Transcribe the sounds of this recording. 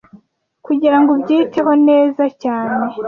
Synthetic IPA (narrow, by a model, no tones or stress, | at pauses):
kuɟiɾaŋɡobɟiːteɦo̞ne̞ːzacaːne̞